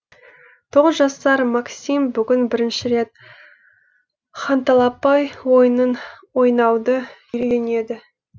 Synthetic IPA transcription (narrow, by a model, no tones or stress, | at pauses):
t̪ʰo̞ʁəzʒɑst̪ɑɾmɑksʲimbʏɡʲɪnbɪɾɪnʃɪɾe̞t̪̚ | χɑnt̪ɑlˠɑpɑjwo̞jənənwo̞jnɑwd̪əʏɾeɡʲene̞d̪ɪ